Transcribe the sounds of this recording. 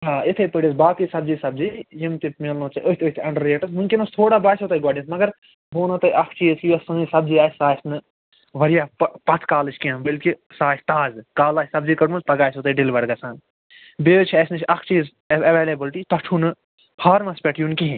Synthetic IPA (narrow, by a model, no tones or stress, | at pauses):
ɦaːit̪ʰɨpɨɽisbaːkisɐb̚d͡ʒiːsɐb̚zijimt̪ipmelnõːt͡ʃiʔoɦʲt̪ʰoit̪ʰɐ̃ɳɖɐɾeːʈɨsmũŋkʲinost̪ʰoːɽaːbaːsʲot̪ɐjɡaːɖɐ̃nsmɐɡɐɾ | boːnɐt̪ɐjʔɐkʰt͡ʃiːzkiɐsɨ̃ːisɐbziaːt͡ʃʲsaːsnɨ | ʋɐɾijaːppɐt̪ʰkaːlɨt͡ʃʰʲkiɐ̃nbɐlkisaːsʰʲt̪aːzkaːlaːsʲsɐbziːkɐʈmuspɐɡaːsot̪ɐɖilʋɐɾɡɐsãːn | beːt͡ʃʰiɐsnɨt͡ʃʰɐkʰt͡ʃiːz | ɐʋeːlebilʈit̪ɐʈʰunɨ | pʰaːɾmɐspʲeʈʰjunkiɦĩ